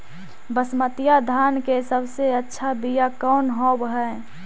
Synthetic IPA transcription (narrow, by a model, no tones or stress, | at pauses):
bəsmət̪ɪjad̪ʱaːnkesəbseətːʃʰabijakɔːnɦoːbɦɛ